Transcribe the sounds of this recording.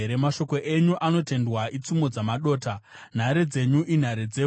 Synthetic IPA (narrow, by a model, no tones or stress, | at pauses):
ɾemaʃo̞ko̞ʔe̞ɲuʔano̞te̞ndwait͡sumo̞d͡zamaɗo̞ːta | n̤aɾed͡ze̞ɲuʔin̤aɾed͡ze